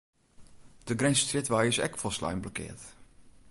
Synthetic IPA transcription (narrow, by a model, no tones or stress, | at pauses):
d̥əɡɾɛnsstrɪtʋaːjɪsɛ̰kfɔsla̰jmblɔkɪ̰ːɹt